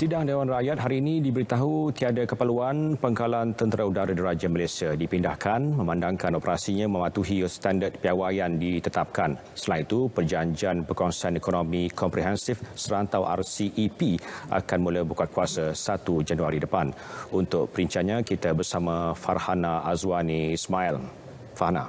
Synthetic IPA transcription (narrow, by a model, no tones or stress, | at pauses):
sidaŋdewanrajat̪̚ɦaɾiːnĩdibəɾit̪aɦut̪iadakəpaluanpəŋkalant̪ənt̪əɾaudaɾadiɾad͡ʒaməlasiadipindahkʰanmə̃mãndaŋkanɔpəɾʔasiɲãmə̃mãt̪uɦist̪andət̪̚piawajandit̪ət̪ap̚kan | səlanit̪upərd͡ʒaɲd͡ʒianpəkɔnsanikonomikʰɔmpɾiɦɛnsifsəɾant̪awʔa̰rsiʔːpia̰kanmuləbukat̪̚kuasasat̪ud͡ʒanuaɾidəpanunt̪ʊʔ̚pəɾiɲt͡ʃianɲãkit̪abərsamãfarhanaʔazwanismail | fahna̰